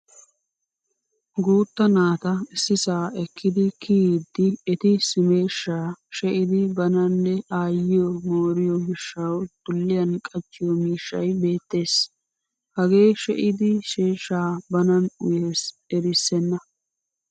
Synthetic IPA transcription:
ɡuːt̪ːɐnaːt̪ɐɪsːɪsaːɛkʰːɪd̪ɪkʰid̪ːɪɛt̪ɪsɪme̞ːʃːaːʃɛʔɪd̪ɪbɐnɐnːɛʔaːjɪjɔmoːɾɪjɔmɪʃːɐwd̪̥ʊlːɪjɐnkʼɐt͡ʃːɪjɔmiːʃːɐjbe̞ːt̪ːe̞ːs | hɐɡe̞ːʃɛʔɪd̪ɪʃeːʃːaːbɐnɐnʊjeːs | ɛɾɪsːɛnːɐ

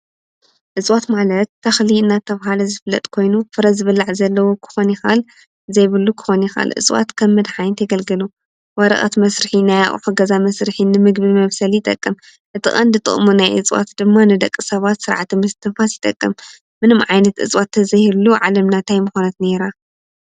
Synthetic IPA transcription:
ʔɨt͡sʼwat̪malɐt̪ːɐxliɨnːat̪ʰːɐβɦalɐzɨflːɐ̰t̪ʼkʰo̞jnufɨɾɐzɨβɨlːaʕzɐlːɐwukʰɨ̥xonixa̰l | zɐjβɨlːukʰɨ̥xonixa̰lʔɨ̰t͡sʼwa̰t̪kʰɐmːɨd̪ħajnt̪ʰɐɡɐlɡɨlu | wɐɾɐ̰χʼɐ̰t̪mɐsɾɨħinaja̰χʼħuɡɐzamɐsɾɨħinɨmɨɡbimɐβsɐljɪt̪ʼɐkʼːɨm | ʔɨt̪ʰɨʔʼɐnd̪ɨt̪ʼɨ̰χʼmunajʔɨ̰t͡sʼwa̰t̪d̪ɨmːanɨd̪ɐkʼːɨsɐβat̪sɨɾʕat̪ʰimɨst̪ʰɨnfasjɪt̪ʼɐkʼːɨmː | ɨnɨmʕajnɐt̪ʔɨ̰t͡sʼwat̪ʰːɐzɐhɨluʕalɐmnat̪ʰajmɨxonɐt̪ne̞ɾa

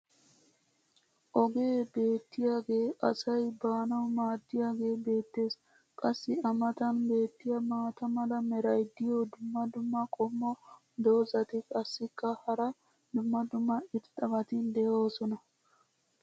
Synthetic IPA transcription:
ʔɔɡe̞ːbe̞ːt̪ːɪjaːɡe̞ːʔɐsɐjbaːnɐwmaːd̪ːɪjaːɡe̞ːbe̞ːt̪ːe̞ːs | kʼɐsːɪɐmɐt̪ɐnbe̞ːt̪ːɪjɐmaːt̪ɐmɐlɐmɛɾɐjd̪ɪjod̪ʊmːɐd̪ʊmːɐkʼɔmːɔ | d̪o̞ːzɐt̪ɪkʼɐsːɪkːɐhɐɾɐ | d̪ʊmːɐd̪ʊmːɐɪt̪t̪ʼɐmɐt̪ɪnd̪ɛjo̞ːsɔnɐ

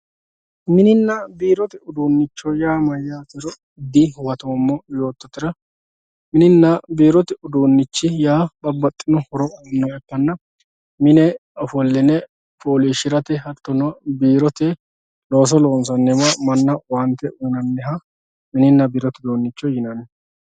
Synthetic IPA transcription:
mɪnɪnːɐbiːɾɔt̪ɪʊd̪uːnːɪt͡ʃːɔjaːmɐjːaːt̪ɛɾɔ | ɪd̪ɪwɐt̪oːmːɔjo̞ːt̪ːɔt̪ːɪɾɐ | mɪnɪnːɐbiːɾɔt̪ɪʊd̪uːnːɪt͡ʃːɪjaːbɐbːɐt̪ʼːɪnʊhɔɾɔnːɔɛpːɐnːɐ | mɪnɛɔfɔlːɪnɛ | poːliʃɪɾɐt̪ɛɦɐt̪ːɔnɔbiːɾɔt̪ɛ | lo̞ːs̬ɔlo̞ːnsɐnːɛmɐmɐnːɐwant̪ːɛʔunɐnːɛɦɐ | mɪnɪnːɐbiːɾɔt̪ɪd̪oːnːɪt͡ʃːɔjɪnɐn

